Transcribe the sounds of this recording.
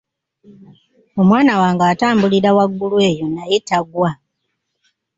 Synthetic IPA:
o̞mwaːnawaːŋɡaːtaːmbuliɾawaɡːulwe̞ːjo̞najetaɡwa

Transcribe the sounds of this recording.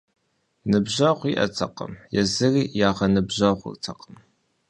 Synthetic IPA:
nɨbʑɐʁʷiʔɐ̰tʰɐqə̰mjɛzɨriːjaːʁɐnɨbʑɐʁʷʊ̰rtʰɐqəm

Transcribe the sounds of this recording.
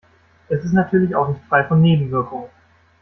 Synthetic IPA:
ʔɛsɪstnatʰyːɐlɪçaʊxnɪçtfʁ̥aɪfɔnːeːbm̩vɪɐkʊŋə

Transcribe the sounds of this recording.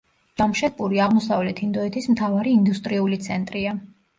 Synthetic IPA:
d̪̥amʃɛt̪̚pʼuɾiaʁmɔsavlɛt̪ʰind̪ɔɛt̪ʰismt̪ʰavaɾiːnd̪ust̪ʼɾiulit̪sʰɛnt̪ʼɾia

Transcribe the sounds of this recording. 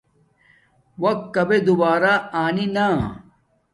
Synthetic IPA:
wɐk̚kːɐbed̪ubaːɾaaːnina

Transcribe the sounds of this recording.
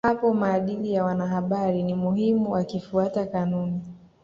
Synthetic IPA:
hapɔmaːɗilijawanaɦaɓaɾinimuhimuwakifuatakanuni

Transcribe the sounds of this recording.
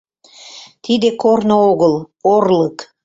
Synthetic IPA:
t̪id̪ekornooɣəlˠ | orlək

